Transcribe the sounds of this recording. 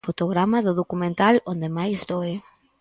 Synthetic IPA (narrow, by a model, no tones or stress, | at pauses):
fot̪oɣɾamaðʊðokumẽnt̪alõnd̪emajst̪oe